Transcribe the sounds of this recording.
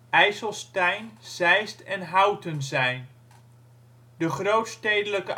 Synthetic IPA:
ɛjsəlˠstɛjnz̥ɛjstɛnɦɑwtənzɛjn | dəχrowtstejdələkə

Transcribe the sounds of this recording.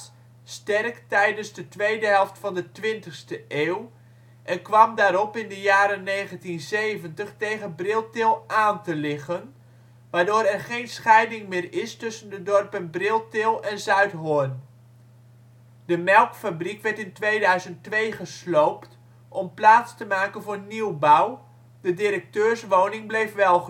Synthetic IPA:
stɛrktɛjdənzdətʋejdəɦɛlˠftfɑndətʋɪntəχstəʔeːw | ʔɛnkʋɑmdaːɾɔpɪndəjaːɾənejχəntinsejvəntəχtejχənbrɪlˠtɪlˠʔaːntəlɪχən | ʋaːdʊːɾɛrχejnsχɛjdɪŋmɪːrɪstɵsəndədɔrpənbrɪlˠtɪlˠɛnzœɥtɦʊn | d̥əmɛlˠkfabrikʋɛɹtɪntʋejdœɥzənttʋejχəslowpt | ʔɔmplaːtstəmaːkənvʊːɹniwbaw | dədiɾək̚tøːrsʋoːwnɪŋblejfʋɛlˠχə

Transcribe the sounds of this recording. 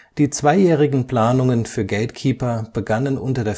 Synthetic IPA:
d̥iːt͡sv̥aɪjɛːʁ̞ɪɡŋ̩pl̥aːnʊŋənfyːɐɡɛltkʰiːpɐb̥əɡanənʔʊ̰ntɐdeːɐ

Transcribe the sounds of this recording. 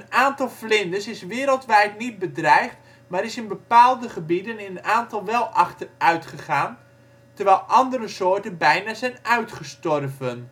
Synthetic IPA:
ənaːntɑlˠflɪndəsɪsʋɪːɾəlˠtʋɛjtnit̚bədrɛjχt | maːɾɪsɪnbəpaːlˠdəχəbidənɪnənaːntɑlˠʋɛlˠʔɑχtərœɥtχəχaːn | təɹʋɛjlˠʔɑndəɾəsoːɹtənbɛjnaːzɛjnœɥtχəstɔrvən

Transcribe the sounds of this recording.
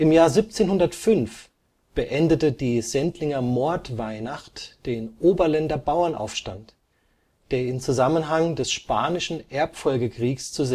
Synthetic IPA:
ʔɪmjaːɐzip̚t͡seːnhʊndɐtfʏnf | b̥əʔɛndətədiːz̥ɛntlɪŋɐmɔɐtv̥aɪnaχtd̥eːnʔoːbɐlɛndɐbaʊɐnʔa̰ʊfʃta̰nt | d̥eːɐɪmt͡suzamənɦaŋdɛsʃpaːnɪʃn̩ʔɛɐpfɔlɡəkʁ̥iːkst͡suze

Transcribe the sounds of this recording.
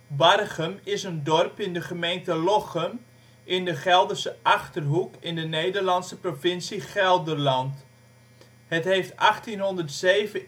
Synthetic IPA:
bɑrχəmɪsəndɔrpɪndəχəmejntəlɔχəm | ʔɪndəχɛlˠdərsəʔɑχtərɦukɪndənejdərlɑnsəprofɪnsiχɛlˠdərlɑnt | hətɦejftɑχtinɦɔndərtseːvə

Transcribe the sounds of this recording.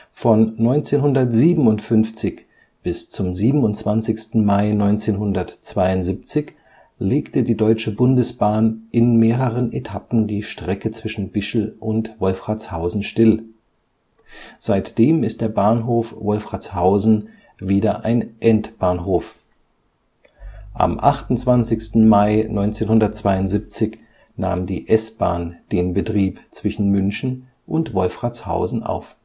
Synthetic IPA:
fɔnːɔʏnt͡seːnɦʊndɐtz̥iːbm̩ʊntfʏnft͡sɪç | b̥ɪst͡sʊmziːbm̩ʊntt͡sv̥ant͡sɪçstn̩maɪnɔʏnt͡seːnɦʊndɐtt͡sv̥aɪʊntz̥iːp̚t͡sɪç | leːktədiːdɔʏt͡ʃəbʊndəsb̥aːnʔɪnmeːʁəʁənʔetʰapn̩diːʃtʁ̥ɛkət͡sv̥ɪʃn̩bɪʃl̩ʔʊntvɔlfʁ̥at͡shaʊzn̩ʃtɪl | z̥aɪtd̥eːmɪst̚d̥eːɐbaːnɦoːfvɔlfʁ̥at͡shaʊzn̩ | viːdɐʔaɪnʔɛntb̥aːnɦoːf | ʔa̰mʔaχtʊn̩t͡sv̥ant͡sɪçstn̩maɪnɔʏnt͡seːnhʊndɐt̚t͡sv̥aɪʊntz̥ip̚t͡sɪç | na̰ːmdiːʔɛsb̥aːnd̥eːnbətʁ̥iːpt͡sv̥ɪʃn̩mʏnçn̩ | ʔʊntvɔlfʁ̥at͡sha̰ʊzn̩ʔa̰ʊf

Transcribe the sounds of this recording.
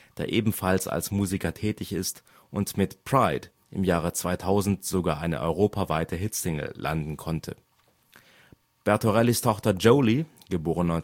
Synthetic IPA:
d̥eːɐʔeːbm̩falsa̰lsmuːzikɐtʰɛːtɪçɪst | ʔʊntmɪtpʁ̥aɪd | ʔɪmjaːʁət͡sv̥aɪtʰaʊzn̩tz̥oɡaːɐʔaɪnə̰ʔɔ̰ʏʁoːpʰavaɪtʰəɦɪtsɪŋl̩ːʔa̰ndn̩kʰɔntʰə̰ | b̥ɛɐtoʁɛlistʰɔχtɐd͡ʒoʊli | ɡ̥əboːʁənɔ

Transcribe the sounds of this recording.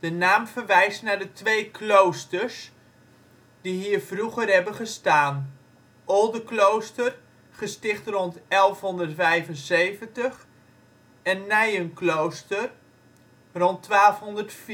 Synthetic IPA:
d̥ənaːmfərʋɛjstnadətʋejkʰlowstərs | d̥iɦiːərvruɣərɦɛbənχəstaːn | ʔɔlˠdəklowstər | χəstɪχtrɔntɛlˠfɦɔndərtfɛjvənsejvəntəχ | ɛnːɛjənklowstər | rɔntːʋaːlˠfɦɔndərtf

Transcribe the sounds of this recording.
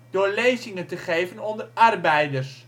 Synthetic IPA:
d̥oːɹlejzɪŋəntəχejvənɔndərɑrbɛjdərs

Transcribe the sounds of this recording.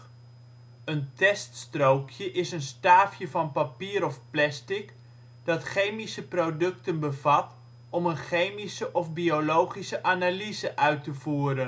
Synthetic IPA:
əntɛststrowkʰjəʔɪsənstaːfjəvɑnpapiːɾɔfplɛstɪk | d̥ɑtχejmisəprodɵktənbəvɑt | ɔmənχejmisəʔɔfbiolowχisəʔaːnalizəʔœɥtəvuːɾən

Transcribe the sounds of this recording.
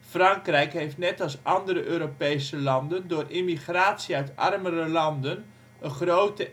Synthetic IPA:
frɑŋkrɛjkɦejftnɛtɑlˠsʔɑndəɾəʔøːɾopejsəlɑndəndʊːrʔimiχraːtsiœɥtɑ̰rmərəlɑndən | əχrowtə

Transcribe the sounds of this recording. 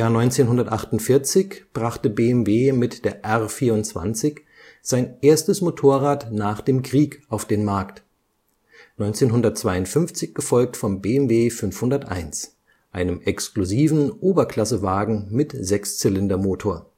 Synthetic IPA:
jaːɐnɔʏnt͡seːnɦʊndɐtʔaχtʊntfɪɐt͡sɪçb̥ʁaχtəbeːɛmveːmɪtd̥eːɐʔɛʁfiːɐʊntt͡sv̥a̰nt͡sɪç | z̥aɪnʔeːɐstəsmotʰoːɐʁaːtnaːχd̥eːmkʁ̥iːkʔaʊfd̥eːnmaɐkt | nɔʏnt͡seːnɦʊndɐt̚t͡sv̥aɪʊntfʏnft͡sɪçɡ̥əfɔlk̚tfɔmbeːɛmveːfʏnfhʊndɐtʔa̰ɪns | ʔaɪnəmʔɛkskluziːvn̩ʔoːbɐkl̥asəvaːɡŋ̩mɪtzɛkst͡sɪlɪndɐmoːtʰoːɐ

